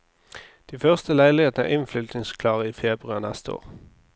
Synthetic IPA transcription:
d̪̥iːfœʁst̪əlæɪlɪheːt̪n̩æ̰ʔɪnflʏlt̪nɪŋskʰlɑːʁəiːfeːbʁʉɑʁnɛst̪əo̰ːʁ

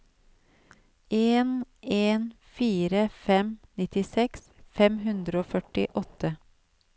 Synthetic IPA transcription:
eːneːn | fiːɾəfɛmnɪt̪ɪsɛks | fɛmhʉnd̪ɾəoːfœʈɪʔɔt̪ə

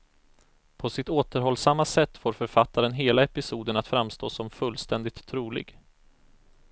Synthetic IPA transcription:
pʰɔsɪt̪oːt̪əɾɦɔlsamːasɛt̪ːfoːɾfœɾfat̪ʰːaɾənɦeːlaɛpɪsuːd̪ənat̪fɾamːst̪oːsɔmfɵlst̪ɛnd̪ɪt̪ʰːɾuːlɪ̰ɡ

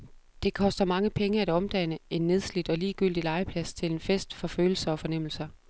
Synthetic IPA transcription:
d̥e̝kʰɒ̽sd̥ɐmɑ̈ŋəpʰeŋəæd̥ɒ̽md̥æn̰əe̝nːe̝ð̞ˠslid̥ɒ̽liːɡ̥yl̰d̥ilɑ̈ɪəpʰlæst͡sʰe̝le̝nfesd̥fɒ̽føːl̩sɐɒ̽fɒ̽nem̰l̩sɐ

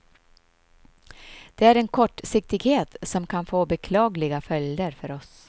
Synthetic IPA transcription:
d̪̥ɛæɾɛnkʰɔʈːsɪk̚t̪ɪɡheːt̪sɔmkʰanfoːbɛkʰlɑːɡlɪɡafœljd̪əɾfœɾɔs

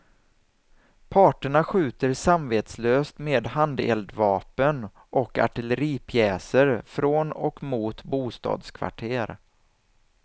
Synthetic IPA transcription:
pʰɑːʈəɳaɧʉ̟ːt̪əɾsamveːt̪sløːst̪meːd̪hand̪ɛ̰ld̪vɑːpən | ʔɔka̰ʈɪləɾiːpʰjɛːsəɾfɾoːnɔ̰kmuːt̪buːst̪ɑ̰ːd̪skʰva̰ʈʰeːɾ

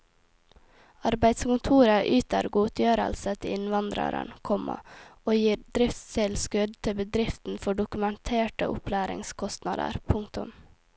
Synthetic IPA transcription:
ɑɾbæɪd̪skʊnt̪ʰuːɾəʔyːt̪ə̰ɾɡuːt̪ʰjøːɾə̰lsət̪ʰɪɪnʋɑnd̪ɾə̰ɾə̰nkʰɔmɑ̰oːjiːɾd̪ɾɪft̪sɛlskʉd̪t̪ʰɪbəd̪ɾɪft̪n̩fɔɖʊkʉmənt̪ʰeːʈə̰ʔʊ̰pʰlæːɾɪ̰ŋskʰɔst̪nɑd̪ə̰ɾpʰʊŋkt̪ʊm

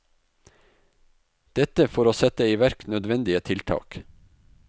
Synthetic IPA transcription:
d̪̥ɛt̪əfoːɾoːsɛt̪əiːʋæɾknœd̪ʋɛnd̪ɪət̪ʰɪlt̪ʰɑ̰ːk

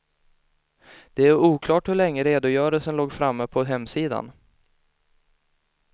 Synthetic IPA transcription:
d̪̥ɛæɾuːkʰlɑːʈhɵɭɛŋːəɾeːd̪ʊjœːɾəlsənloːɡfɾamːəpʰɔɦɛmːsiːd̪a̰n

